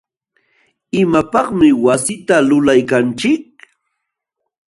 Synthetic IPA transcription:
ɪmapɑχmɪwasɪt̪alʊlajkant͡ʃɪk̚

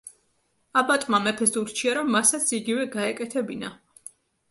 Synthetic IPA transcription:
abat̪ʼmamɛpʰɛsuɾt͡ʃʰiaɾɔmːasat̪sʰiɡivɛɡaɛkʼɛt̪ʰɛbina

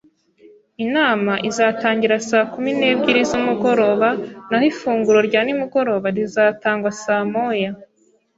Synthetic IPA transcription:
inaːmaʔizaːtaːɲɟiɾasaːkumine̞ːbɟiɾizumuɡo̞ɾo̞ːβanahifuːŋɡuɾo̞ɾɟaːnimuɡo̞ɾo̞ːβaɾizaːtaːŋɡwasaːmoja

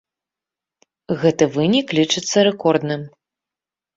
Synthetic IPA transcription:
ɣɛt̪ɨvɨnʲiklʲit͡ʂɨt̪sːɐɾɛkɔrd̪nɨm

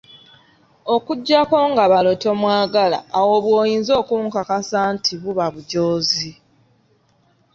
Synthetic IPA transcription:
o̞kuɟːako̞ːŋɡaβalo̞to̞mwaːɡala̰ːwoβwoːjiːnzo̞ːkuːŋkakasaːntʰiβuβaβuɟoːzi

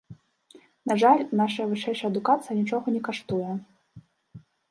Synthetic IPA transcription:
naʐalʲnaʂɐjɐvɨʂɛjʂɐjɐd̪ukat̪sɨjɐnʲit͡ʂɔɣɐnʲɛkaʂt̪ujɛ

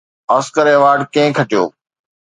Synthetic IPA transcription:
aːskəɾeːʋaːɾɖkẽɪ̃kʰɐʈijo̰ː

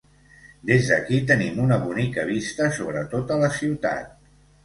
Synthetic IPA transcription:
d̪ezðəkit̪ənimunəβunikəβ̞ist̪əsoβɾət̪ot̪ələsiwt̪a̰t̪̚

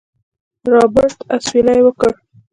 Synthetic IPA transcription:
ɾɑbɪɾt̪aswilajwəkəɽ

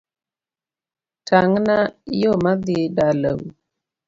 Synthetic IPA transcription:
tʰaŋnajomad̪ɪdalə̰w

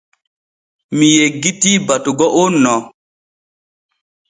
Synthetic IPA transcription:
mijeɡitibatuɡɔʔonːɔ

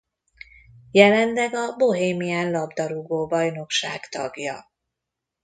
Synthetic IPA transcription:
jɛlɛnlɛɡɒbo̞ɦeːmiaːnlɒbd̪ɒɾuɡoːbɒjn̪o̞kʃaːɡt̪ɒ̰ɡjɒ̰

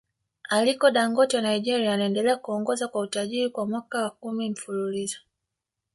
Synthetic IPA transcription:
alikɔɗaŋɡɔtiwanaiʄɛɾiaːnaɛndɛlɛakuɔŋɡɔzakwautaʄiɾikwamwakawakumim̩fululizɔ̥

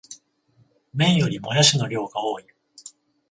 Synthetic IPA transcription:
mẽ̞ɰ̃jo̞ɾʲimojaɕino̞ɾʲo̞ːɡaoːi

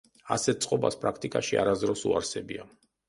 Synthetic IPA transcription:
a̰sɛt̪̚t̪sʼqʼɔba̰spʼɾakʰt̪ʼikʼaʃia̰ɾazd̪ɾɔsṵaɾsɛbia

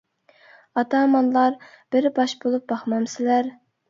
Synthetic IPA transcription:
ɑt̪ʰɑmɑnlˠɑɾ | b̥ɪɾbɑʃbolˠup̚bɑχmɑmsɪlæɾ

